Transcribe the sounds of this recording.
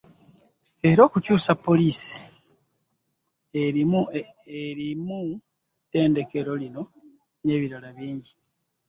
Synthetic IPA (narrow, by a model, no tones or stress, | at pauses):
e̞ɾo̞ːkucuːsapːo̞lisi̥ | eɾimu | eɾimu | te̞ːnde̞ke̞ɾo̞lino̞ | ne̞ːβiɾalaβiːɲɟi